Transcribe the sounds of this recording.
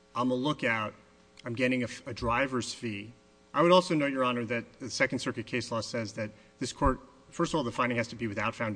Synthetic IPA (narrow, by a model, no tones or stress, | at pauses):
ãɪ̃məlʊkaʊɾ̚ | ãɪ̃mɡɛɾɪ̃ŋɨɨdɹaɪvə˞z̥fi | ʔaɪwɨɾɔlˠsoʊnoʊt͡ʃə˞ɑnə˞ðɨt̪̚ɨsɛkn̩dsɜ˞kɨt̚kʰeɪslɔsɛzðɨt̪̚ | ðɪskʰɔɹt̚ | fɜ˞stʌvɔlˠðəfãɪ̃ndɪ̃ŋhɨz̥tʰɨbiwɨθaʊtfãʊ̃n